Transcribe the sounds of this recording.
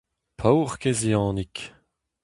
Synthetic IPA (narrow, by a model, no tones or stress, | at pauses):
pʰawʁkeziɑ̃ːnik